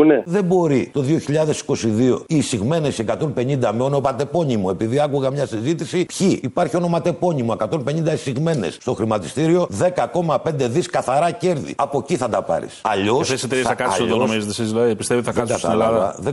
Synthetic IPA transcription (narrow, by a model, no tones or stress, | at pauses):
uneðe̞mbo̞ɾit̪o̞ðio̞çiʎɐðe̞si̥ko̞siðio̞̰isiɣme̞ne̞siekɐt̪o̞npe̞ɲind̪ɐmeono̞mɐt̪e̞po̞ɲimoe̞piðiɐkuɣɐmɲɐsizit̪isipçiːpɐɾçio̞no̞mɐt̪e̞po̞ɲimoe̞kɐt̪o̞mpe̞ɲĩnd̪ɐisiɣme̞nḛsst̪o̞xɾimɐt̪ist̪iɾio̞ðe̞kɐko̞mɐpe̞nd̪e̞ðiskɐθɐɾɐce̞ɾðḭɐpo̞ciθɐt̪ɐpɐ̰ɾḭsɐ̰ʎoseset̪eɾiessɐkɐssoonomizet̪esizilɐipist̪evot̪iɐkɐsɐt̪ɐ̰lɐvɐ̰ðe